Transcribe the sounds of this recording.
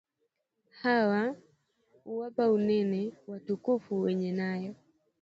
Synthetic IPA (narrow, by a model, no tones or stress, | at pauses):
hawa | uwapaunɛnɛwatukufuwɛɲɛnajɔ